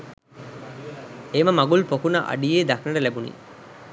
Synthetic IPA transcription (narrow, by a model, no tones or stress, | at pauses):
eːmɐmɐɡulpokunɐʔɐ̰ɖijeːd̪ɐknɐɖɐlebunḭː